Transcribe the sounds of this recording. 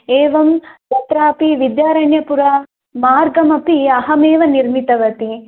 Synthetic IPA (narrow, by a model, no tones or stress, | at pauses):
eːʋɐmt̪ɐt̪ɾaːpiʋid̪jaːɾɐjnjɐpuɾɐ | maːɾɡɐmɐpiɐɦɐmeːʋɐniɾmit̪ɐʋɐt̪i